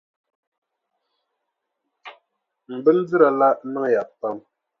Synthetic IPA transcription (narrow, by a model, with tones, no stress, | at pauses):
m̩˨bə˦n̩˦d͡zɨ˦ɾa˨la˦ʔnə˦ŋ˦˨ja˨pːa˦˨m